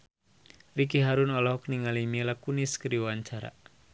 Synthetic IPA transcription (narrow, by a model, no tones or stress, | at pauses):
rik̬iɦaɾunɔlɔhkniŋalimelakuniskəɾiwaɲt͡ʃaɾa̰